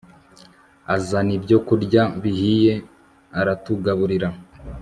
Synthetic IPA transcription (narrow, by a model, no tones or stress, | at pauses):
azanibɟo̞kuɾɟaβihije̞ | aɾatuɡaβuɾiɾa